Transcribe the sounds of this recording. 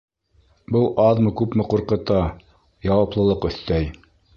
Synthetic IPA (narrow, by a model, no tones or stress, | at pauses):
bɤlˠʔɑðmɤkʉpmɘ̆quɾqɤ̆t̪ɑ | jɑwɑplˠɤ̆lˠɤqɵ̆θt̪æj